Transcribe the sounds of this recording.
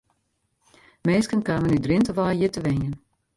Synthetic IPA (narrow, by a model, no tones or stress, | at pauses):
meːskənkaːmənydrɪntəʋaːjjitəʋenjən